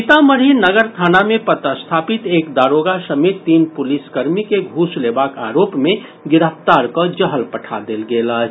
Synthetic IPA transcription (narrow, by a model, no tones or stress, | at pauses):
t̪aməɾinəɡəɾt̪ʰaːnamẽpət̪əst̪ʰaːpit̪eːkd̪aːɾoːɡasəmet̪ːiːnpʊliskəɾmikeɡʱuːsleːbaka̰ːɾoːpmẽ | ɡɪɾəpʰt̪aːɾkəd͡ʒəɦəlpəʈʰad̪elɡeːlə